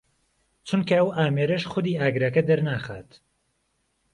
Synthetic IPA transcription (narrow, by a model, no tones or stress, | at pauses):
t͡ʃʰunkʰɐɐwʔaːmeːɾɐʃxʊd̪iːaːɡɾɐkɐd̪ɐɾnaːxa̰ːt̪